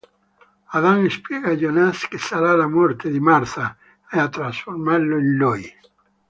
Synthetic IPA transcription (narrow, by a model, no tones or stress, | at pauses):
aðaŋespjeɣaʎonaskesaɾalamɔɾt̪eðɪmaɾθa | eat̪ɾansfoɾmaɾloenloj